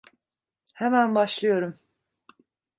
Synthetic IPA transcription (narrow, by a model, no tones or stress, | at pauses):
hemænbaʃlˠɯjo̞ɾum